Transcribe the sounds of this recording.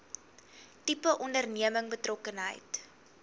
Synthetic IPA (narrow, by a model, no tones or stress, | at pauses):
tipəʔɔndərniəməŋbətrɔkənɦə̰jt